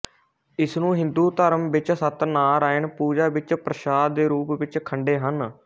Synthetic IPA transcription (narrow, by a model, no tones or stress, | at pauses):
ɪsnũːɦɪ̃nd̪uːt̪əɾəmʋɪt͡ʃsət̪naːɾaːɪɳpuːd͡ʒaːʋɪt͡ʃpɾəʃaːd̪d̪eːɾuːpʋɪt͡ʃkʰəɳɖeːɦən